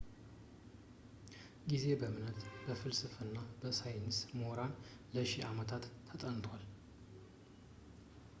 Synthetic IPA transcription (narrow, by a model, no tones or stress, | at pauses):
ɡize̞bəmɨnət̪b̥əfɨlsɨfɨnːabəsajnsmoɾan | ləʃiamət̪ʰat̪ːʰət̪ʼənt̪ʰwal